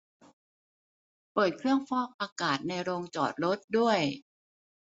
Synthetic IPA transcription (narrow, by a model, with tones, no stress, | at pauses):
pɤː˨˩t̪̚kʰɾɯ˥˩əŋfɔː˥˩p̚ʔaː˧kaː˨˩t̪̚na˧jɾoː˧ŋt͡ɕɔː˨˩t̪̚ɾo˦˥t̪̚du˥˩əj